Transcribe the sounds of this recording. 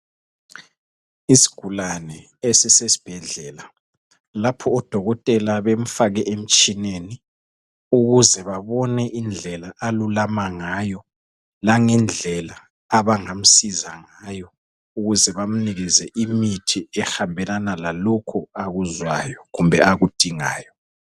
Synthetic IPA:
isi̥ɡ̥ʱulanɛ | esɛsesi̥b̥ʱɛɮɛːla | lapʰɔːd̥ʱɔɣɔtʼɛlaβem̩faɣɛʔem̩t͡ʃʼineni | uɣuzɛβaβɔnɛʔind͡ɮʱɛlaʔalulamaŋajɔ | laŋɛnd͡ɮʱɛlaː | βaŋam̩sizaŋaːjɔ | uɣuzɛβam̩niɣizɛʔimitʰiɛxambʱɛlanalalɔkʰuaɣuzwajɔɣumbʱɛaɣud̥ʱiŋa̰ːjɔ

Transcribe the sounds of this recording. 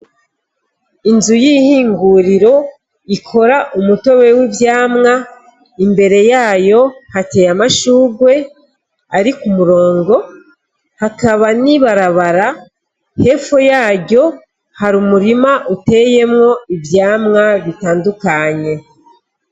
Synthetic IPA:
inzujihiːŋɡuɾiɾo̞ | ikʰo̞ɾaʔumuto̞we̞wibjaːmŋa | imbe̞ɾe̞jaːjo̞hate̞ːjamaʃuːɡwe̞ | aɾikumuɾo̞ːŋɡo̞ | hakaβaniβaɾaβaɾa | he̞fojaːɟo̞ | haɾumuɾimaʔute̞je̞mŋo̞ibjaːmŋaβitaːndukaɲe̞

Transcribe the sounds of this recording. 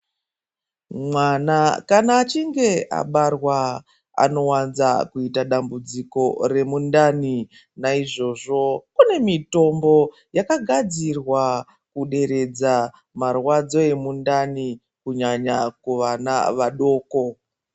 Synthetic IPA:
mwanakanaːt͡ʃiŋɡe̞a̰ɓarwa | a̰no̞wanzakuitaɗambud͡ziko̞re̞mundani | naiʐo̞ʐo̞kune̞mito̞mbo̞ | jakaɡʱad͡zirwa | kuɗe̞ɾe̞d͡za | marwad͡zo̞e̞mundani | kuɲaɲakuʋanaʋaɗo̞ːko̞

